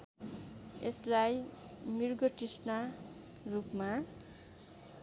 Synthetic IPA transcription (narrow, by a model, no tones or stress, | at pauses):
eslaj | mirɡʌʈisna | rupma